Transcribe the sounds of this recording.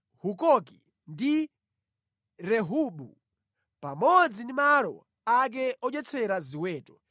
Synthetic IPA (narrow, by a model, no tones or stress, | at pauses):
hukɔki | ndi | ɾɛɦuːɓu | pamɔd͡zindimalɔ̰ | ak̬ɛʔɔt͡ʃɛt͡sʰɛɾaziwɛːtɔ